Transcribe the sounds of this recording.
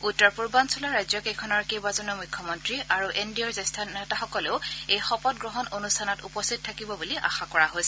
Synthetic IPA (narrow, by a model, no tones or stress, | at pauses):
utːɔɹpuɹbansʰulaɹajzjɔkejkʰɔnɔɹkewbazɔnɔmujkʰːɔmɔntɹiʔaɹuʔendiɔɹzestʰanɛtaxɔkɔleʊejxɔpɔt̚ɡɹɔɦɔnonustʰanɔtupɔstʰitɔtʰakibɔbuliʔa̰xakɔɹaɦojsɛ